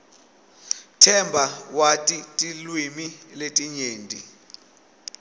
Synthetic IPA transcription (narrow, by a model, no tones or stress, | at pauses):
tʰɛmbʱawatʼitʼilwimiletʼiɲeːndʱʼi